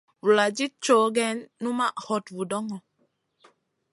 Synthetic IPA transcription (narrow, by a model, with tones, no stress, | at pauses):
wu˨la˨d͡ʒi˦t͡ʃo˨˦ɡɛ˦nːu˦ma˦˨hɔ˨twu˨dɔ˦ŋɔ˨